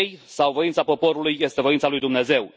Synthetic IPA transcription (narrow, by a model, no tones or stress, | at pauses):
jsawvoint̪sapo̞po̞ɾulujːest̪e̞vo̞int̪salujd̪umne̞ze̞w